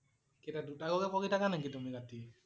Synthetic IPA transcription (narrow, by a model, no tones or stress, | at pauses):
kɛtadutaɡɔɡɛpʰɔkitʰakanɛkitumiɡati